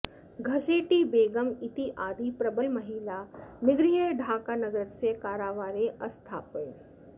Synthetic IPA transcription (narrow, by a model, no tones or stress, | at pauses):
ɡʱɐseːʈibeːɡəmɪt̪iʔaːd̪ipɾɐbəlmɐɦiːlanɪɡɾiɦəɖʱaːkaːnɐɡɾətsekaːɾaːʋaːɾeʔɐst̪ʰa̰ːpe